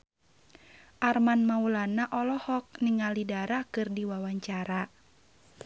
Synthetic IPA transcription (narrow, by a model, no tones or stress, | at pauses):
ʔarmanmaulanaʔɔlɔhɔk̚niŋalidaɾakɨrdiwawaɲt͡ʃaɾa